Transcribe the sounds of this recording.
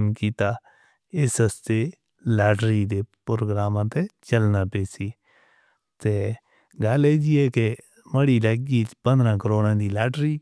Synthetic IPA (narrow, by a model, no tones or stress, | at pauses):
mkiːt̪aː | ɪsəst̪eː | laːʈɾiːd̪eːpɾoːɡɾaːmãːt̪eːt͡ʃəlnaːpeːsiː | t̪eː | ɡəleːd͡ʒiɛːke | məɽiːləːɡiːpə̃nd̪ɾãːkəɾoːɽãːd̪iːlaːʈɾiː